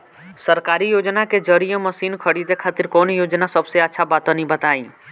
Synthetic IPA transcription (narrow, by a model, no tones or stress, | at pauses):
səɾkaːɾijoːd͡ʒnaked͡ʒəɾijə̃məsiːnkʰəɽit̪ekʰaːt̪ɪɾkoːnjoːd͡ʒnasəbseətːʃʰabaːt̪õnĩbət̪aːḭ̃ː